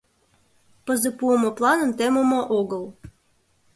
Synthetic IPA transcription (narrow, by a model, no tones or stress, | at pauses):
pəzəpuəmoplˠɑnə̆mt̪emomoʔoɣəlˠ